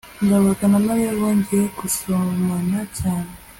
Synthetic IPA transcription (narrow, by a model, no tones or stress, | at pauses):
ŋɡaβoɾɡanamaɾeβoːɲɟeekusomanacaːne